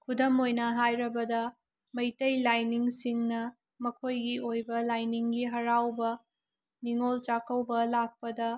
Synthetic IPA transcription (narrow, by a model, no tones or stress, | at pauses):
kʰudɐmojnɐɦajɾɐbɐdɐ | mɐjtɐjlajniŋsiŋnɐ | mɐkʰojɡiʔojbɐlajniŋɡiɦɐɾawbɐ | niŋolt͡ʃakɐwbɐlak̚pɐdɐ